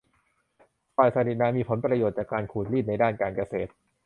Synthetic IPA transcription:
paː˨˩jsa˧˩ni˨˩naː˧˥miː˧pʰo˩˦npɾa˧joː˨˩t̪̚t͡ɕaː˨˩kːaː˧nkʰuː˨˩t̪̚liː˥˩t̪̚na˧jdaː˥˩nkaː˧nka˧seː˨˩t̪̚

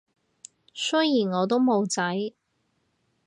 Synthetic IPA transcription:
sɵ˥jjiː˨˩nŋɔː˨˧t̪̬o˥wmo˨˧wt͡sɐ˨˥j

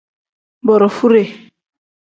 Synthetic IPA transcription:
bɔ˨ɾɔ˨fu˦ɾe˨

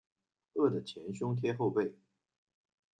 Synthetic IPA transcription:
ɤ˥˩d̪ə˩t͡ɕʰjɛ˧˥nɕʊ˥ŋt̪ʰjɛ˥xo˥˧ʊpe˥˩ɪ

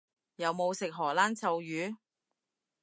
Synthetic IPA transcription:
jɐ˨˧wmo˨˧wsɪ˨k̚ɦɔː˨˩laː˥nt͡sʰɐ˨˧wjyː˨˧

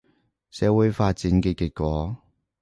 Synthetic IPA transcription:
sɛː˨˥wuː˨˥jfaː˧t̚t͡siː˨˥nkɛ˧kɪ˧k̚kʷɔː˨˥

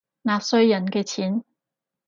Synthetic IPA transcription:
naː˧p̚sɵ˥ɥjɐ˨˩nkɛː˧t͡sʰiː˨˥n

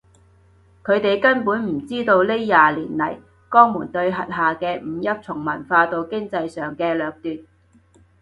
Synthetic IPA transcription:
kʰɵ˨˧ɥt̪e˨jkɐ˥npuː˨˥nm̩˨˩t͡siː˥t̪o˧wle˥jjaː˨liː˨˩nlɐ˨˩j | kɔː˥ŋmuː˨˩nt̪ɵ˧ɥɦɐ˨t̚ɦaː˨kɛː˧m̩˨˧jɐ˥t̚t͡sʰʊ˨˩ŋmɐ˨˩nfaː˧t̪o˧wkɪ˥ŋt͡sɐ˧jsœː˨ŋkɛː˧lœː˨˧k̚t̪yː˨n̚

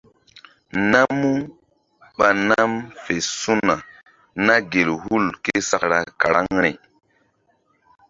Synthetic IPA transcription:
na˦mːu˦ | ɓa˨na˦mfe˨su˦na˨ | na˦ɡe˨lhu˦˨lke˦sa˨kɾa˨ka˨ɾa˦ŋɾi˨

